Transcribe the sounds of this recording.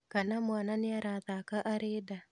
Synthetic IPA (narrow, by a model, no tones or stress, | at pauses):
kanamwananɪaɾaðakaʔaɾeda